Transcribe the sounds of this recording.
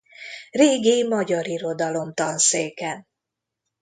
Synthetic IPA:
reːɡimɒɟɒɾiɾo̞d̪ɒlo̞mt̪ɒnseːkɛn

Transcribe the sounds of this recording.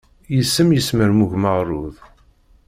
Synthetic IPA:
jəsːəmjəsməɾmuʝməʁrˤːʊð

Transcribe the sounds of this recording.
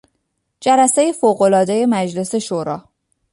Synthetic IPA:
d͡ʒælæsejefoːɣo̞lɒːd̪e̞je̞mæd͡ʒle̞se̞ʃoːɾɒː

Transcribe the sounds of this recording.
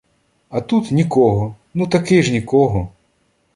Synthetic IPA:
ɐt̪ut̪nʲikɔɦɔ | nut̪ɐkɪʒnʲikɔɦɔ

